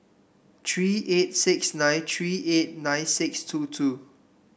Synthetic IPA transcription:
tʰɹiːʔet̚sɪksnãj̃ntʰɹiʔet̚nãjnsɪkstʰutʰu

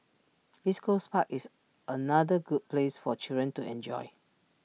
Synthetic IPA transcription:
diskʰospakis | ʔənadəɡud̚plesfɔt͡ʃidɹə̃ntuɛ̃nd͡ʒɔ̰ɪ

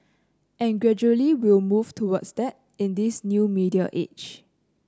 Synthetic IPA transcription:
ʔɛ̃nɡɹɛd͡ʒuəliwilmuv̥tʰuwɔdsdɛt̚ | ɪ̃ndisnjumidia̰ʔḛt͡ʃ

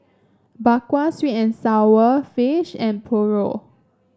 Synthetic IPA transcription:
bakwaswitɛ̃nsawəfiʃɛ̃npʰɔɹo̰

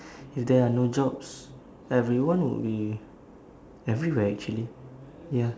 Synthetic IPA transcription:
ifdɛanod͡ʒɔbs | ɛvɹiwãnwḭlbi | ɛvɹiwɛɛk̚t͡ʃuəli | ja

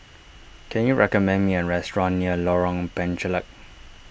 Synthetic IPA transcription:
kʰɛ̃njuɹʔɛkɔmɛ̃nmiɛ̃nɹɛstɹɔ̃nːiəlɔɹɔ̃ŋpɛ̃nt͡ʃələk̚

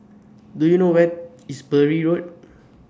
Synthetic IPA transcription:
dujunowɛt̚ | isbəɹiɹot̚

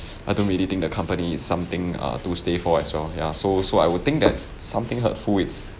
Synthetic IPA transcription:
ʔaɪjdõnɹilit̪ɪ̃ŋ̚dəkʰãmpəniɪtsːãmt̪ɪ̃ŋʌ̰tustefɔɛswɛlja̰sosoajwud̚t̪ɪ̃ŋk̚dɛ̰t̚ | sãmt̪ɪ̃ŋɦə̰tfulɪts

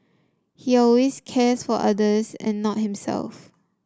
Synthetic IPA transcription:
hiɔlweskʰɛsfɔʔadəsɛ̰̃nːɔt̚hĩmsɛ̰lf

